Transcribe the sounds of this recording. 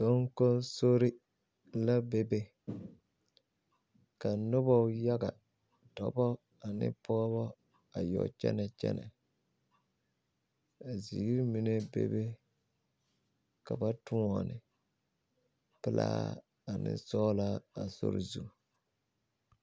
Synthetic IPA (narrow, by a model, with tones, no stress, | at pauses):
so˦ŋ˦ko˦so˦ɾɪ˦ | la˦be˦be˦ | ka˨nʊ˦bɔ˦ja˦ɡa˨ | dɔ˨bɔ˦ | a˨nɪ̰˦pʰɔ˦ɡβɔ˦ | a˨jɔ̰˨t͡ʃɛ̰˦nɛ˨t͡ʃɛ̰˦nɛ˨ | a˨zi˨ɡɾmi˨ne˦bḛ˦be˦ | ka˨ba˦tu˦ɔ˨nɪ˨ | pɨ˦˨la̰ː˦ | a˨nɪ̰˦sɔ˦la˦a˨so̰˦ɾɪ˨zu˦˨